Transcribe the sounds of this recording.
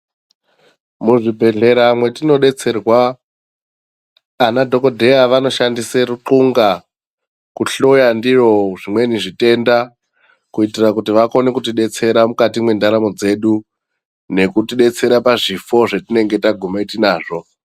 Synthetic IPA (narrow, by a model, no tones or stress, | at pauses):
muʐibʱe̞ɮe̞ɾamwe̞tino̞ɗe̞t͡se̞rwa | nadʱo̞ko̞dʱe̞jaʋano̞ʃandiseruǃuŋɡa | kuɬojandiro̞ʐimwe̞niʐite̞nda | kuitirakutiʋako̞nekutiɗe̞t͡se̞ɾamukatimwe̞ndaɾamo̞d͡ze̞ɗu | ne̞kutiɗe̞t͡se̞ɾapaʐifo̞ʐetine̞ŋɡe̞taɡʱumaitinaːʐo̞